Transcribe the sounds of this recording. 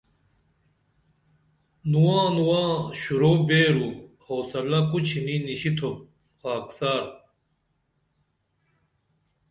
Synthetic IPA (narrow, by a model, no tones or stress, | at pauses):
nuwãːnuwãːɕuɾoːbeːɾu | hoːsɐlɐkut͡ɕʰininiɕit̪ʰo | qaːksaːɾ